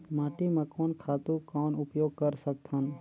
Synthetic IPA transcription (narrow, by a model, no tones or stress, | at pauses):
maːʈimãkɔːnkʰaːt̪ukɔːnʊpjoːɡ̚kəɾsək̚t̪ʰən